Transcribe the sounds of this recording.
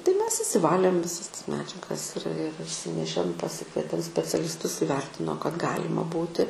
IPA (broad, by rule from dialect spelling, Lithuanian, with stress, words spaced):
tɐɪ ˈmʲɛs ɪʃʲsʲɪˈʋɑːlʲeːm ʋʲɪˈsɐs tɐs ˈmʲæːd͡ʒʲɛɡɐs ɪr ɪr ɪʃʲˈsʲɪnʲɛʃʲeːm pɐˈsʲɪkʋʲiɛtʲeːm sʲpʲɛt͡sʲɛlʲɪsˈtʊs ɪˈʋʲɛrʲtʲɪnoː kɐt ˈɡɑːlʲɪmɐ ˈbuːtʲɪ